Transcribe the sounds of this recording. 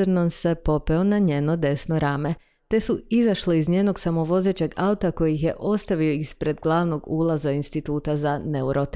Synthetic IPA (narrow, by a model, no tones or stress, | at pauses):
ɾnonse̞po̞peonaɲeːno̞d̪e̞sno̞ɾaːme | t̪e̞suizaʃleizɲeːno̞ɡsamo̞ʋo̞zeːt͡ɕe̞ɡaut̪ako̞jixje̞ʔo̞st̪aʋio̞ispɾe̞d̪ɡlˠaːʋno̞ɡuːlˠazainst̪it̪uːt̪azaneuɾot̪